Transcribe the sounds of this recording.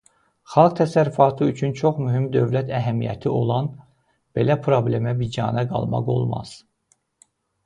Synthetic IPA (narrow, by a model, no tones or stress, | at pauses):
xɑlˠɡ̚t̪ʰæsæɾyfɑːt̪ʰɯyt͡ʃʰynt͡ʃʰo̞χmyɦimd̪ø̞vlæt̪ʰæɦæmijæ̰t̪ʰiʔo̞lˠɑn | b̥e̞læpʰɾo̞ble̞mæbid͡ʒɑ̰ːnæɡɑ̰lˠmɑ̰ʁo̞̰lˠmɑ̰z̥